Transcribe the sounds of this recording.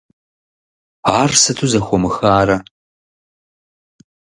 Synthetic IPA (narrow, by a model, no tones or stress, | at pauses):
aːrsɨtʰuzɐxʷɔmɨxaːɾɐ